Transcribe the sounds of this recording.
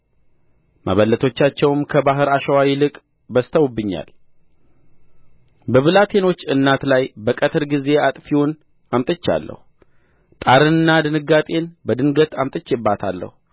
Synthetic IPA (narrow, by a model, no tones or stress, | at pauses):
mʔa̰βəlːət̪ʰo̞t͡ʃːat͡ʃːɛwmkʰəbaɦɨɾaʃəwawilɨkʼ | bəst̪ʰəwubːɨɲːa̰l | bəβɨlat̪ʰe̞no̞t͡ʃːɨnːat̪lajbəkʼət̪ʰɨɾɡize̞at̪ʼfiwun | amt̪ʼɨt͡ʃːa̰lːə̰hu | t̪ʼaɾɨnɨnːad̪ɨnɨɡːat̪ʼe̞nbəd̪ɨnɡət̪ʰamt̪ʼɨt͡ʃːɛbːat̪ʰa̰lːə̰hu